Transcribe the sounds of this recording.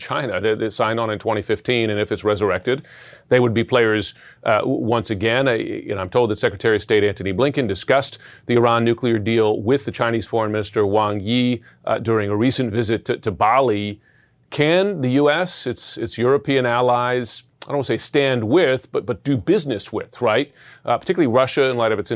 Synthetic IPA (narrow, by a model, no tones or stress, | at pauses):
t͡ʃʰãɪ̃nɨðɨðɨtsãɪ̃ndn̩ɨ̃ntʰw̥ɛ̃ɾ̃ifɪftʰĩnɨ̃nɨfɨtsɹɛzə˞ɛk̚tɨd̪̚ | ðeɪwɨd̚bipʰl̥eɪə˞z | wʌ̃nsɨɡɛ̃nɨ̰̃nãɪ̃mtʰoʊlˠd̪ðɨtsɛkɹɨtʰɛɹisteɪɾæ̃nθɨniblɪ̃ŋkɨ̃ndɨskʌsðiə˞ɑ̃nːʉkliə˞dilˠwɪðɨt͡ʃʰãɪ̃ñiz̥fɔɹə̃nmɪ̃nɨstə˞wɑ̃ŋji | dʊɹɪ̃ŋəɹisɨ̃nvɪzɨtʰɨtʰɨbɑlˠi | kʰɨ̃nðɨjʉɛsɨtsɨtsjʊɹɨpʰiɨ̃nælˠaɪz̥aɪdõʊ̃ntseɪstæ̃nd̚wɪðb̥ʌt̚b̥ʌt̚d̥ɨbɪznɨswɪð̥ɹaɪt̚pʰə˞tʰɪkjl̩ˠiɹʌʃɨɨ̃nlaɪɾʌvɨts